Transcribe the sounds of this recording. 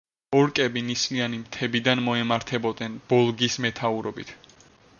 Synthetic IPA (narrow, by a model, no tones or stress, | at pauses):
ɔɾkʼɛbinislianimt̪ʰɛbid̪anmɔɛmaɾt̪ʰɛbɔd̪nɛnb̥ɔlˠɡismɛt̪ʰauɾɔbit̪ʰ